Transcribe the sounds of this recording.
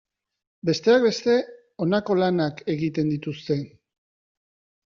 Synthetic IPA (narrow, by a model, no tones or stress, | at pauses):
be̞st̪e̞ak̚be̞st̪e̞ | o̞nako̞lanake̞ɣit̪e̞nd̪it̪ust̪e̞